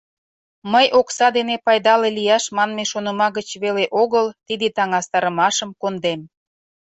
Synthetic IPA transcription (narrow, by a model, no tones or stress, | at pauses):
məjʔoksɑd̪enepɑjd̪ɑlelijɑʃmɑnmeʃonəmɑɣət͡ɕβeleʔoɣəlt̪id̪et̪ɑŋɑst̪ɑɾəmɑʃəmkond̪em